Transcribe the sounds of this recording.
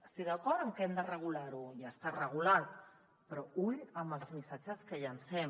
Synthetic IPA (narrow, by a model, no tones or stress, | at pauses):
əst̪id̪əkɔɾt̪əŋkɛmd̪ərəɣ̞ulaɾujast̪arəɣ̞ulat̪ | pɾɔujəmbəlˠzmisad͡ʒəskəʎənsɛm